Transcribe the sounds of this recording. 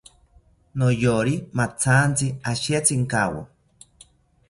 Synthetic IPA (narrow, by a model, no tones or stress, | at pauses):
nojoɾimat͡sʰant͡siaʃiat͡siŋkawo̰